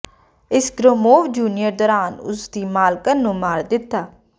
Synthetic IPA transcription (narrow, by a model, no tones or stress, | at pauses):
ɪsɡɾoːmoːʋd͡ʒuːnɪjəɾd̪ɔːɾaːnʊ̰sd̪iːmaːlkənũːmaːɾd̪ɪt̪ːaː